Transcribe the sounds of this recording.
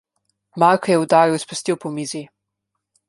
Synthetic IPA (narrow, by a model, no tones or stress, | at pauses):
maɾkɐjɛud̪aːɾiwispɔst̪iwpɔmizi